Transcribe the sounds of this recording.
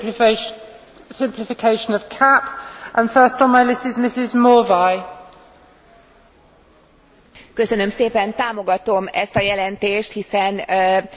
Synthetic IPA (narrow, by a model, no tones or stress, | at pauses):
sɪ̃mpʰlɪfɪkʰeɪʃə̃nəv̥kʰapʔə̃nfɜˑstn̩maɪlɪsɪzmɪsɪzmɔːvaɪ | kø̞sønø̞mseːpɛnt̪aːmo̞ɡɒt̪o̞mɛ̰st̪ɒjɛlɛnt̪eːʃt̪hisɛn